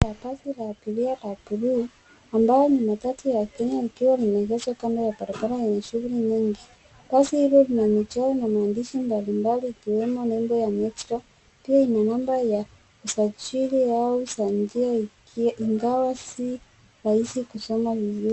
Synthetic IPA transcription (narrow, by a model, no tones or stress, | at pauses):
apasilaːpilialapuɾu | ambajɔɲumatatujakɛɲaikiwalinɛɡɛswakandajabaɾabaɾajɛɲɛʃuɣuliɲiŋɡi | basihilɔlinamit͡ʃajɔnamaːndiʃimbalimbaliːkiwɛmɔnɛmbɔjamɛtɾɔ | piainanambaja | usat͡ʃiliausand͡ʒia | iŋɡawasi | ɾahisikusɔmavizui